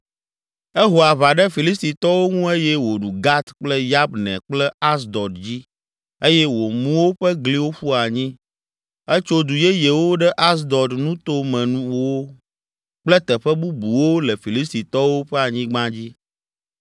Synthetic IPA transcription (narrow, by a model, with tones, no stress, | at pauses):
e˦ɦo˨a˨βa˨ɖɛ˦fi˨li˦s̬t̪i˨t̪ɔ˦wo˦ŋũ˦e˦jɛ˦wo˨ɖu˨ɡa˦t̪k͡plɛ˦ja˦bnɛ̰̃˨k͡plɛ˦a˦s̬d̪ɔ˨dd͡ʑi˦ | e˦jɛ˦wo˨mũ˦wo˦ɸɛ˦ɡli˦wo˦ɸu˦a˨ɲĩ˦ | ɛ˦t͡ʃo˦d̪u˨je˦je˨wo˦ɖɛ˦ʔa˦s̬d̪ɔ˨d̪nũ˦t̪o˦mɛ̃˨nũ˦wo˦ | k͡plɛ˦t̪ɛ˨ɸɛ˦bu˦bu˨wo˦lɛ˨fi˨li˦s̬t̪i˨t̪ɔ˦wo˦ɸɛ˦a˨ɲĩ˦ɡ͡bã˦d͡ʑi˦